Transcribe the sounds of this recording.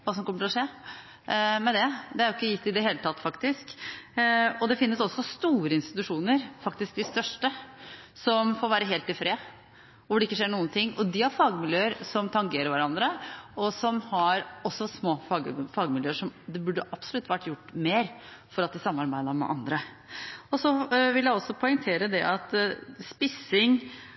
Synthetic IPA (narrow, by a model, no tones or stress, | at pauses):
ʋɑːsɔmkɔməʈʰɪlɔʂeː | mɛd̪ɛd̪ɛæɾʊɪkːəjɪt̪ːɪd̪ɛɦeːlət̪ʰɑt̪ːfɑkt̪ɪsk | ɔd̪ɛfɪnːəsɔsːɔst̪uːɾəɪnst̪ɪt̪ʉʂuːnəɾfɑkt̪ɪsk̚d̪ɪst̪œʂʈəsɔmfoːɾʋæːɾəɦeːlt̪ːɪlfɾeː | ʊɖɛɪkːəʂeːɳuːənt̪ʰɪŋːɔd̪ɪhɑɾfɑːɡmɪljøːəɾsɔmt̪ʰɑŋɡeːɾəɾʋæɾɑnd̪ɾəɔsɔmhɑɾɔsːɔsmoːfɑːɡfɑːɡmɪljøːəʂɔmd̪ɛbʉɖːəʔɑpsɔlʉt̪ːʋæʈːjʊʈːmeːɾfɔɾɑt̪̚d̪ɪsɑmːɑɾbæɪd̪əɾmɛ̰ʔɑnd̪ɾə | ɔsɔʋɪljæɪɔsːɔpʰɔɪŋt̪ʰeːɾəd̪ɛʔɑt̪spɪsɪŋ